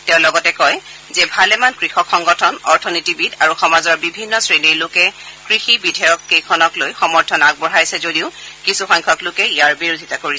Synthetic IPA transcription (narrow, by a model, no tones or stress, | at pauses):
tɛ̃ʊ̃lɔɡɔtɛkɔj | zɛbʱalɛmankɹixɔkxɔŋɡɔtʰɔnɔɹtʰɔnitibidaɹuxɔmazɔɹbibʱinːɔsɹenijlokɛkɹixibidʱɔjɔkːejkʰɔnɔklojxɔmɔɹtʰɔnaɡ̚bɔɦajsɛzodiʊkisuxɔŋkʰɔklʊkɛijaɹbiɹodʱitakoɹiɛ